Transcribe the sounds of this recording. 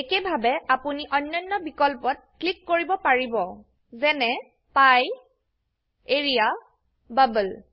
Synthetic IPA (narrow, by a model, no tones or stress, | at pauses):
ekebʱabɛapuniʔɔnːɔjnːɔbikɔlpɔt̚klikːoɹibɔpaɹibɔ | zɛnɛ | paj | eɹija | babəl